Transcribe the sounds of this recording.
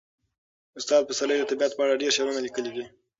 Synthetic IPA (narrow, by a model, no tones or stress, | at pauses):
ʊst̪ɑd̪̚pəsaləjd̪ət̪ɪbijat̪̚pəaɽaɖeɾʃaɾunalikəlid̪i